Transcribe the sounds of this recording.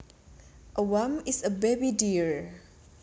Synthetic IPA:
ʔəwãmisəbebidiɹ

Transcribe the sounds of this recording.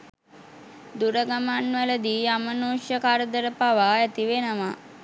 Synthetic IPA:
d̪uɾəɡamanʋələd̪iːamənuːʃjəkaɾəd̪əɾəpaʋaːæt̪iʋenəma

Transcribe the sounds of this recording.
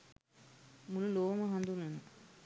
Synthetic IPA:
mululoːmɐɦɐnd̪unun

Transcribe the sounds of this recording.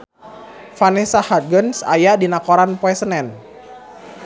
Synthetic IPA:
fanɛsahat̪̚ɡənsa̰jadinakɔɾanpɔɛsənɛn

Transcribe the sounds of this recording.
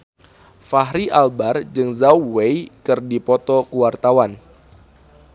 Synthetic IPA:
faɦɾiʔalbard͡ʒɨŋzawwejkɨrdipɔt̪ɔkuwart̪awan

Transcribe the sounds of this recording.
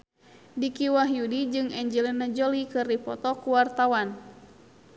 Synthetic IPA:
dikiwaɦjudid͡ʒɨŋɛɲd͡ʒɛlɛnad͡ʒɔlikɨrdipɔt̪ɔkuwart̪awan

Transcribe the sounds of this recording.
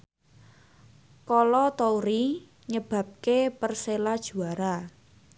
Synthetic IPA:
kɔlɔt̪ouɾi | ɲəb̥ä̤p̚kepərselad̥ʒ̥ṳaɾa

